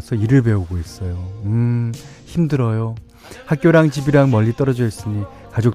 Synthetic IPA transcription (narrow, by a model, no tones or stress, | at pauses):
sʰʌiɾɯɭbe̞uɡois͈ʌjoɯ | çimdɯɾʌjo | hak͈joɾaŋd͡ʑibiɾaŋmʌʎːit͈ʌɾʌd͡ʑʌis͈ɯɲi | kad͡ʑok̚